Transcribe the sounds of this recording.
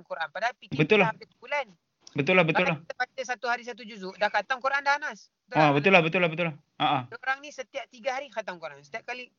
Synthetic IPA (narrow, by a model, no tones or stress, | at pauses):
ŋkuɾʔanpadaapibət̪ulahapit̪ubulan | bət̪ulːahbət̪ullaht̪bat͡ʃəsat̪uɦaɾis̬at̪̬ud͡ʒuzuʔdahkat̪aŋkuɾʔandaanasbəət̪uabət̪ulahbət̪ʊlaɦbət̪ulah | aʔaɾaŋnisət̪iap̚t̪iɡaɦaɾikat̪aŋkuɾʔansə̥t̪iap̚kali